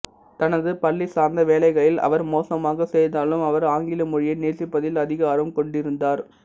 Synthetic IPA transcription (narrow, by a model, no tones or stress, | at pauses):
t̪ɐnɐðɯpɐɭːisaːɾnd̪ɐʋeːlɐɪɣɐɭɪlɐ̰ʋɐɾmoːsɐmaːɣɐsɛjðaːlɯmɐʋɐɾaːŋɡɪlɐmʊɻɪjɐneːsɪpːɐðɪlɐðɪɣɐːɾɯmkɔɳɖɪɾɯnd̪aːɾ